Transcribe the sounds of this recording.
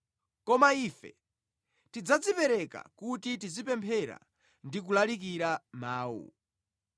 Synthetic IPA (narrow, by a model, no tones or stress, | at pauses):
kɔmaifɛ̰ | tid͡zad͡zipɛɾɛka̰kutitizipɛmpʰɛɾa̰ | ndik̬ulalik̬iɾamaːwṵ